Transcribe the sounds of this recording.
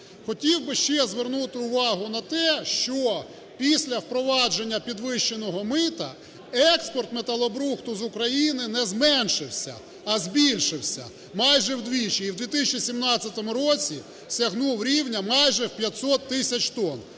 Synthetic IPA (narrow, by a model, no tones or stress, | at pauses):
xɔtʲiwbɪʃt͡ʃɛzʋernut̪ɪʊʋɑɦʊnɐt̪ɛʃt͡ʃɔ | pʲisʲlʲɐwpɾɔʋɑd͡ʒe̞nʲːɐpʲid̪ʋɪʃt͡ʃenɔɦɔmɪt̪ɐ | ɛkspɔrt̪met̪ɐlˠɔbɾuxt̪ʊzʊkɾɐjinɪnɛzmɛnʃɪwsʲɐ̰ | ɐzbʲilʲʃɪwsʲɐ̰ | mɑjʒɛwd̪ʋʲit͡ʃiiwd̪ʲʋʲit̪ɪsʲt͡ʃisʲimnɑt͡sʲːɐt̪ɔmʊɾɔt͡sʲi | sʲɐɦnuwɾʲiwnʲɐmɑjʒɛwpʲjɐt̪ʲsɔt̪ːɪsʲɐt͡ʃt̪ɔn